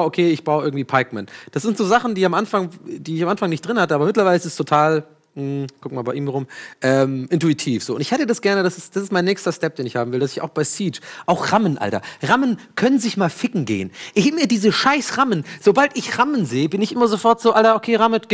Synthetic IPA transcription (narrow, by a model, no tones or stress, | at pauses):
ʔokʰeːɪçb̥aʊəʔɪɐɡŋ̩tv̥iːpʰaɪk̚mɛnd̥asz̥ɪntz̥oːzaχn̩diːamʔanfaŋdiːɪçamʔanfaŋnɪçt̚d̥ʁɪnhatəʔaːbɐmɪtlɐvaɪləɪsɪstʰotʰaːl | m̩kʰʊk̚maːlbaɪʔiːmʁʊmʔɛːmʔɪntuitʰiːfz̥oːʊntɪçhɛtədasɡ̥ɛɐnədasɪsd̥asɪstmaɪnːɛːçstɐstɛp̚d̥eːnɪçhaːbm̩vɪldasɪçaʊxb̥aɪsiːt͡ʃʔaʊxʁamənʔa̰ltɐʁamənkʰœnənzɪçmaːlfɪkŋ̩ɡḛːənʔɪmiːɐdiːzəʃaɪsʁamənz̥obaltɪçʁamənzeːəbɪnɪçʔɪmɐzofɔɐtz̥oːʔaltɐʔokʰeːʁamətɡ̥